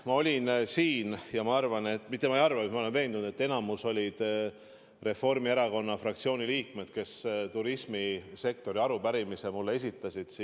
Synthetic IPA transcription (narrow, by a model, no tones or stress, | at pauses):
mɑo̞lʲinsiːnjɑmɑɑrvɑne̞t̪ːmit̪ːˑe̞mɑejɑrvɑmɑole̞nve̞ːnd̪unud̪e̞t̪ːe̞nɑmuso̞lʲid̪̥ | re̞fo̞rmieɾɑko̞nːɑfrɑk̚t̪sio̞ːnʲiliːkme̞d̪̥̚ke̞st̪uɾismise̞k̚t̪o̞ɾiɑɾubæɾimisemulːee̞s̬it̪ːˑɑsʲid̪̥s